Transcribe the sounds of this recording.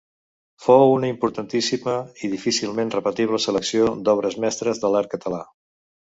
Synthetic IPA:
fowunəimpuɾt̪ənt̪isiməiðifisilˠmenrəpət̪iβləsələksiod̪ɔβ̞ɾəzmɛst̪ɾəzðəlaɾkət̪əla

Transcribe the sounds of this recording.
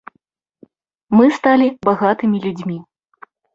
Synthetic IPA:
mɨst̪alʲibaɣat̪ɨmʲilʲud͡zʲmʲi

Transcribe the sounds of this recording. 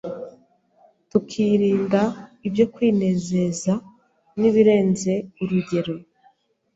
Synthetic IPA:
tukʰiːɾiːndaibjo̞kwiːne̞ːze̞za | niβiɾe̞ːnze̞uɾuɟe̞ɾo̞

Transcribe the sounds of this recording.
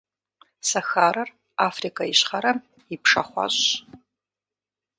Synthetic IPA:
sɐxaːɾɐr | aːfrikʰaiɕχɐɾɐm | ipʰʂɐ̰χʷɑ̰ɕ

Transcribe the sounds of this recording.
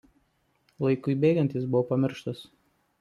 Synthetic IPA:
lˠɐɪkʊɪbʲeːɡʲɐnʲt̪ʲɪs̬bʊʋopɐmʲɪɾʃt̪ɐs

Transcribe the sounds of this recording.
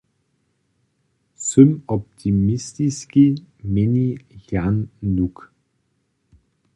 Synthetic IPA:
sʏmɔp̚t̪ʰimist̪iskimɪnijanːuk

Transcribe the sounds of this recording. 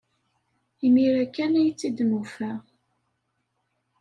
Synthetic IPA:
imiɾækːænæjt͡sːid̪mufæ

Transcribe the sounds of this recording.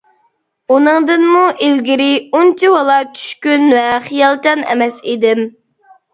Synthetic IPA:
unɨŋd̪ɨnmuʔilɡʲɪɾɪunt͡ʃʰiwɑlˠɑt͡ʃʰy̥ʃkʲynvɛχijɑlˠt͡ʃɑnɛ̰mɛsid̪ɪm

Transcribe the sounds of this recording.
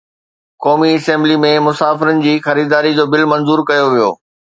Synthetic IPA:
kɔːmiɐsɛ̃ːmblimẽmʊsaːfɪɾənɪ̆d͡ʑiːxɐɾiːd̪aːɾid͡ʑoːbɪlmɐ̃nzuːɾkɐjoʋijo̰ː

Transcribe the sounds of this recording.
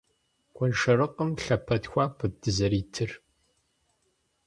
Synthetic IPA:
kʷʼɔnʂɐɾɨqəmɬɐpʰɐtxʷaːpʷʰɨdɨzɐɾiːtʰɨr

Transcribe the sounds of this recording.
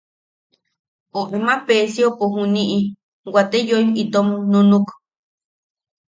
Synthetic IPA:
oʔemãpesiopoɦũniʔi | wat̪ejoimit̪omunũnuk

